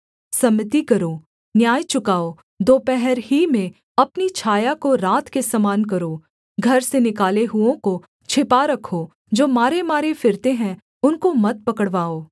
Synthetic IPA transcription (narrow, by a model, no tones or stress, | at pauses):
sɐmɪt̪ikɐɾoː | njaːjt͡ʃʊkaːo | d̪oːpɛɦɛɾɦimẽ | ɐpnit͡ʃʰaːjakoɾaːt̪ʰkesɐmaːnkɐɾoː | ɡʱɐɾsenɪkaːleɦʊõko | t͡ʃʰɪpaɾɐkʰo | d͡ʒoːmaːɾemaːɾefɪɾt̪eɦɛ̃ | ʊnkomɐt̪̚pɐkəɽʋaːoː